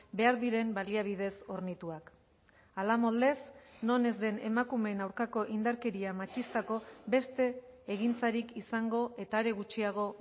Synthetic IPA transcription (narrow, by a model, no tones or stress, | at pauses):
be̞aɾðiɾe̞mbaliaβ̞ið̞e̞so̞ɾnit̪uak | alamo̞ld̪e̞sno̞ne̞zd̪e̞ne̞makume̞ːnawɾkako̞ʔind̪aɾke̞ɾiamat͡ʃist̪ako̞be̞st̪e̞ːɣint͡saɾikisaŋɡo̞e̞t̪aeɾe̞ɣ̞ut͡ʃiaɣ̞o̞